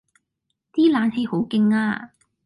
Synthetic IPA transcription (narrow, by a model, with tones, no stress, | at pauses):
t̪iː˥laː˨˥nhe˧jho˨˥wkɪ˧ŋaː˧